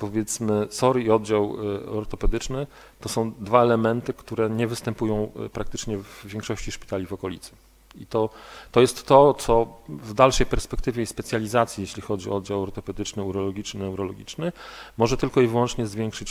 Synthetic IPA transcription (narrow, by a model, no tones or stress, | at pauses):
pɔvʲjɛt̪smɘsɔɾiɔd̪̚d͡ʑawɔ̰ɾt̪ɔpɛd̪ɘt͡ʂnɘ | t̪ɔsɔ̃w̃d̪vaɛlɛmɛnt̪ɘkt̪uɾɛɲɛvɘst̪ɛmpujɔ̃w̃pɾʔak̚t̪ɘt͡ʂɲɛvːʲjeŋkʂɔɕt͡ɕiʂpʲi̥t̪alʲivɔkɔlʲḭt̪sɘ̥ | it̪ɔt̪ɔjɛst̪ːɔt̪sɔvd̪alʂɛjpɛɾspɛkt̪ɘvʲjɛspɛt̪sʲjalʲizat̪sʲjijeɕlʲixɔd͡ʑiɔ̰ɔd̪̚d͡ʑawɔɾt̪ɔpɛd̪ɘt͡ʂnɘuɾɔlɔɡʲit͡ʂnɘnɛuɾɔlɔɡʲit͡ʂnɘmɔʐɛt̪ɘlkɔivwɔnt͡ʂɲɛzvʲjɛŋkʂɘt͡ɕ